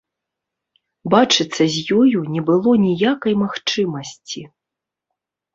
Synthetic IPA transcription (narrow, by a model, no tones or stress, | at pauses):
bat͡ʂɨt̪sːɐzʲjɔjunʲɛbɨlˠɔnʲijakɐjmaxt͡ʂɨmɐsʲt͡sʲi